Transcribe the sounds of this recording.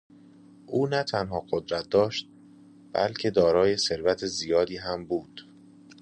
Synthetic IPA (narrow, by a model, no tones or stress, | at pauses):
ʔuːnæt̪ʰænɦɒːɢod̪ɾæt̪̚d̪ɒːʃt̪̚ | b̥æ̰lcʰe̞d̪ɒːɾɒːje̞seɾvæt̪ʰezijɒːd̪iːɦæmbuːd̪̥